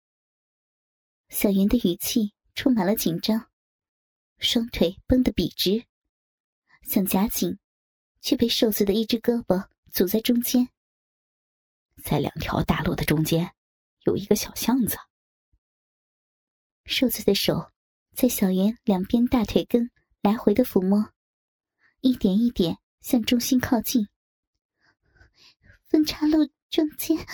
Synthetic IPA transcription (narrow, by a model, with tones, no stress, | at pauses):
ɕjɑ˨˩ʊjɛ˧˥nd̪ə˧y˨˩t͡ɕʰi˥˩ | ʈ͡ʂʰʊ˥ŋma˨nlə˦t͡ɕi˨˩nʈ͡ʂɑ˥ŋ | ʂwɑ˥ŋt̪ʰwe˥˧˩ɪpə˥ŋd̪ə˨pi˨˩ʈ͡ʂɻ̩˧˥ | ɕjɑ˥˩ŋt͡ɕja˧˥t͡ɕi˨˩ŋ | t͡ɕʰy˥˩pe˥˧ɪʂo˥˧ʊt͡sʰɹ̩˥˩d̪ə˩i˥˩ʈ͡ʂɻ̩˥kɤ˥pə˧˩ | t͡su˨˩t͡sa˥˩ɪʈ͡ʂʊ˥ŋt͡ɕjɛ˥n | t͡sa˥˩ɪljɑ̰˨˩ŋt̪ʰjɑ̰˧˥ʊt̪a̰˥˧lwɔ˥˩d̪ə˩ʈ͡ʂʊ˥ŋt͡ɕjɛ˥n | jo˨˩ʊi˧˥ɡə˧ɕjɑ˨˩ʊɕjɑ˥˧ŋt͡sə̥˩ | ʂo˥˧ʊt͡sʰɹ̩˥˩d̪ə˩ʂo˨˩˦ʊ | t͡sa˥˩ɪɕjɑ˨˩ʊjɥɛ˧˥nljɑ˨˩ŋpjɛ˥nt̪a˥˧t̪ʰwe˥˩ɪkə˥n | la˧˥ɪxwe˧˥ɪd̪ə˧fu˧˥mɔ˥˦ | i˥˩t̪jɛ˨˩ni˥˩t̪jɛ˨˩˦n | ɕjɑ˥˧ŋʈ͡ʂʊ˥ŋɕi˥nkʰɑ˥˧ʊt͡ɕi˥˩n | fə˥nʈ͡ʂʰa˥lu˥˧ | ʈ͡ʂʊ˥ŋt͡ɕjɛ˥n